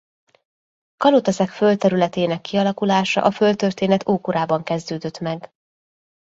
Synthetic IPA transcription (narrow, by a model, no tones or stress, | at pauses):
kɒlot̪ɛsɛkfølt̪ɛɾylɛt̪eːnɛkːiɒlɒkulaːʃɒ̰ʔɒfølt̪ørt̪eːnɛt̪ʰoːkuɾaːbɒŋkɛzd̪øːd̪ø̞t̪mɛɡ